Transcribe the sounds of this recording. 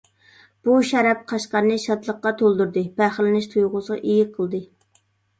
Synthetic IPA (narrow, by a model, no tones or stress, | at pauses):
b̥uʃɛɾɛp̚qʰɑʃqɑɾnɨʃɑt̪lˠəqːɑt̪ʰolˠd̪uɾd̪ɨpæχlɪnɪʃt̪ʰujʁʊsəʁɑ̰ʔijiqʰəlˠd̪ɨ